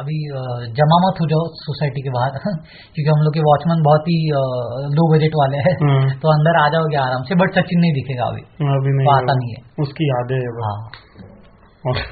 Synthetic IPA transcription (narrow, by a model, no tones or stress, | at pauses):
ɐbʱid͡ʒɐmamɐt̪ɦod͡ʒosoːsaːɪʈikebaːɦəɾ | kjõːk̬iɦɐmloːɡkeʋaːt͡ʃmə̃nbɔɦɔt̪ɦi | loːbɐd͡ʒeʈʋaːleɦɛɦt̪oɐ̃nd̪əɾaːd͡ʒaːoɡeaːɾaːmsebɐɽsɐt͡ʃɪnːɐɦĩd̪ɪkʰeːɡa̰ɐ̰bʱḭːɐbʱinɐɦiaːanɐɦĩɦɛ̰ːʊskiaːd̪eɦɛbɦãː | ɔːɾ